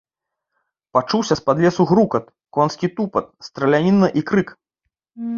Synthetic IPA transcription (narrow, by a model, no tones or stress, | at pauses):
pat͡ʂuwsʲɐspad̪lʲɛsuɣɾukɐt̪̚ | kɔnskʲit̪upɐt̪̚st̪ɾɐlʲanʲinːɐʔikɾɨk